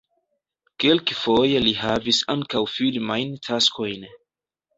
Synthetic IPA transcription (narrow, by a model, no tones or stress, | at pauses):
kelkfo̞jelihavisaŋkawfilmajntʰaskʰo̞jn